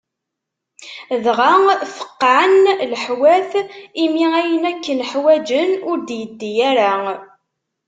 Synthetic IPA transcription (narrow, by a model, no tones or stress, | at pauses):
ðʁaŋfə̥qːanləħwæθimiæjənækːənħwæd͡ʒənʊɾd̪jəd̪ːijæɾæ